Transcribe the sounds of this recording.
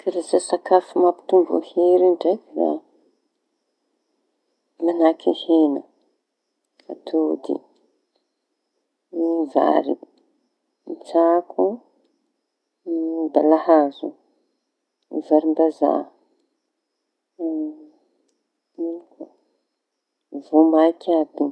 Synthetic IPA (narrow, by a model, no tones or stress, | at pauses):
kʰaɾesasakafumapi̥t̪umvo̰heɾiɳɖ͡ʐekɾa̰ | manakʰihenə | at̪ʰud̪ḭ | va̰ɾḭ | nt͡sakʰu | d̪alahazṵ | zaɾimbaza̰ | miku | vomakʲabi